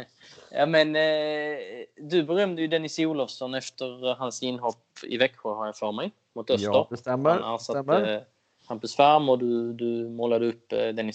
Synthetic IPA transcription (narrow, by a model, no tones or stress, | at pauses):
jɑ̰ːmɛn | d̪ɵbɛɾœmd̪əjɵd̪ɛnɪsuːlɔvsɔnɛft̪əɾɦansɪnːɦɔpːɪ̰vɛkːɧʊɾhaɾjafœɾmɛj | mʊt̪œsəɾɛasa | hampəsvaɾmɔd̪ɵd̪ɵmoːlad̪əɵpːd̪ɛnɪ